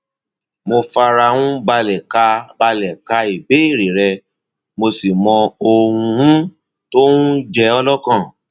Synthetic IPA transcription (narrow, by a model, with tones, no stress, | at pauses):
mo˧fa˧ɾa˧hũ˦ba˧lɛ˨ka˧ba˧lɛ˨ka˧i˨be˨˦i˦˨ɾe˨ɾɛ˧ | mo˧si˨mɔ̃˧o˧wũ˧hũ˦ | to˦ũ˦d͡ʒɛ˧˦ɔ˧lɔ˦kã˦˨